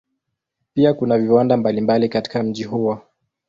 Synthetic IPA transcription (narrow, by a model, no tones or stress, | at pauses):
piakunaviwandambalimbalikati̥kam̩ʄiɦuwa